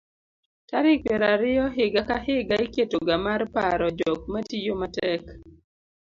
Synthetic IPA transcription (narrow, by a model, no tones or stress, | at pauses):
taɾɪkweɾaɾɪjɔɦɪɡakaɦɪɡaiketoɡamarpaɾɔd͡ʒɔk̚matijomatɛk